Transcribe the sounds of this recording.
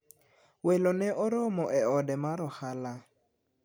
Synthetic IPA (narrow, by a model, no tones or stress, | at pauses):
welonɛʔɔɾɔmɔʔɛɔdɛmaɾɔhala